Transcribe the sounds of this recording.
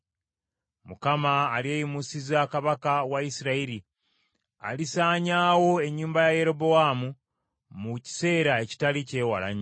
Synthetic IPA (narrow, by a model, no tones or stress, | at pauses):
mukamaːlieːjimusizakaβakawaisiɾaiɾi | a̰lisaːɲaːwo̞e̞ɲːuːmbajaje̞ɾo̞boaːmu | muci̥se̞ːɾae̞ci̥talice̞ːwa̰la̰ɲ